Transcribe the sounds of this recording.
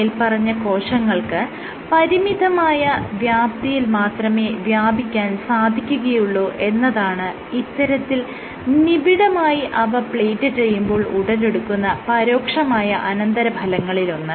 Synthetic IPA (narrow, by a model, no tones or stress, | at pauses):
ilpɐrɐɲːɐko̞ːʂɐŋːɐɭkɨ | pɐɾimid̪ɐmaːjɐʋjaːp̚t̪ɐjilmaːt̪rɐme̞ːʋjaːbʱikʲːaːnsaːd̪ʱikʲːuɣɐjuɭːoːʔe̞nːɐðaːɳɨ | it̪ːɐɾɐt̪ːil | nibiɽɐmaːjiʔɐʋɐpɭeːjtːɨt͡ɕe̞jːumbo̞ːɭuɽɐle̞ɽukːunːɐpɐɾo̞ːkʂɐmaːjɐʔɐnɐnd̪ɐɾɐbʱɐlɐŋːɐɭilo̞nːɨ